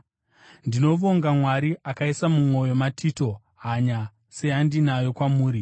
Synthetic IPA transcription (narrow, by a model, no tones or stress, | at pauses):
ndino̞ʋo̞ŋɡamwaɾiakaisamumo̞jo̞matʰito̞ | ɦaɲa | se̞andinajo̞kwamuːɾi